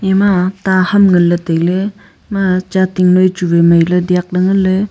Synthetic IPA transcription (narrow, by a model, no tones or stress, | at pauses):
ematahamŋɐlːɐtejle | mat͡ʃatiŋnojt͡ʃubemajlɐdiak̚lɐŋɯlːe